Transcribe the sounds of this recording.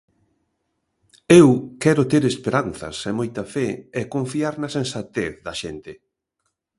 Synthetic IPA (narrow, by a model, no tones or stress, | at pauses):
ewkɛɾʊt̪eɾespeɾanθɐ̰semojt̪ɐfɛɛkõɱfiaɾnɐsẽnsat̪eθðɐʃent̪ɪ